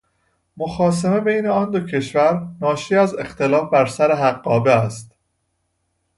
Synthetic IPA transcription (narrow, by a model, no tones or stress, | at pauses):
moxɒːs̬eme̞bejneɒːnd̪o̞cʰe̞ʃvæɾnɒːʃiːæze̞xt̪e̞lɒːfbæɾsæɾe̞ɦæɢːɒːbeæst̪